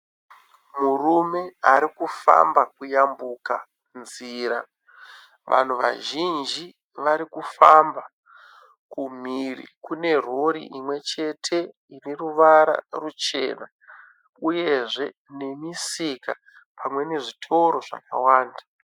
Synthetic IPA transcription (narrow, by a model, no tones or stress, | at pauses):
murume̞aɾikufa̰mbakujambuka̰ | nziːɾa | ʋʔa̰n̤uʋa̰ʒind͡ʒi | ʋaɾikufamba | kum̤irḭkune̞r̤o̞ɾḭʔimwe̞t͡ʃe̞tʰe̞ | iriruʋaɾa̰rut͡ʃe̞̰ːna | uje̞ʐe̞nemisika | pʰamwe̞ne̞ʐitʰo̞ɾo̞ʐa̰ka̰waːnda